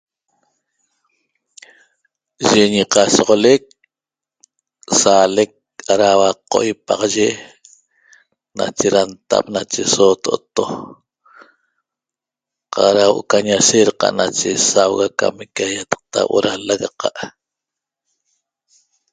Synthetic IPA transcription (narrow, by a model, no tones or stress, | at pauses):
ʒeɲiqɑsɔʁolek̚ | salek̚aɾawaqo̰ʔjpaʁɑʒe | na̰t͡ʃeɾant̪a̰p̚nat͡ʃesot̪oʔot̪o | qɑɾawoʔo̰kaɲaseɾqɑ̰ʔnat͡ʃesawɣaka̰mekajat̪ɑ̥q̚t̪a̰wʔo̰ɾalaɣaqɑʔ